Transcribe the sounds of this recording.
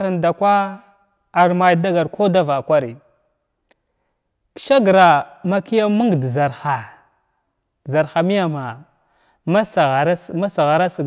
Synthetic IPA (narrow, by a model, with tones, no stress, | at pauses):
ɾa˨nda˨kʷa˦ | a˨ɾma˨jda˦ɡa˨ɾkʰo˦da˦va˨kʷa˦ɾi˨ | kʃa˦ɡɾa˨ma˦ki˦ja˦mu˦ŋɡdza˨ɾxa˨ | za˨ɾxa˨mi˦ja˦˨ma˨ | m˦sɣma˦sa˨ɣa˨ɾa˦s